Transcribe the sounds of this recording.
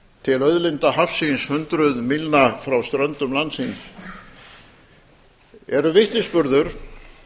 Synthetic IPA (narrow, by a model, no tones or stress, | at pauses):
t̪ʰɪlœðlɪnt̪aɦafsinshʏnt̪ɾʏðmilnafɾawst̪ɾœnt̪ʏmlansins | ɛɾʏvɪht̪nɪspʏɾðʏɾ̥